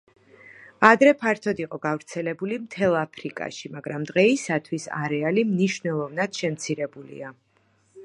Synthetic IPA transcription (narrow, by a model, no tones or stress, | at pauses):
ad̪ɾɛpʰaɾt̪ʰɔd̪iqʼɔɡavɾt̪sʰɛlɛbulimt̪ʰɛlˠapʰɾikʼa̰ʃimaɡɾamd̪ʁɛisat̪ʰwisa̰ɾɛalimniʃvnɛlˠɔvnad̪̥ʃɛmt̪sʰiɾɛbulḭa